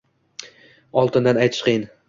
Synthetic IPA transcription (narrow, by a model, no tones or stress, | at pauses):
ɒlˠt̪ʰɪnd̪anajt̪ʰɪ̥ʃqʰejɪn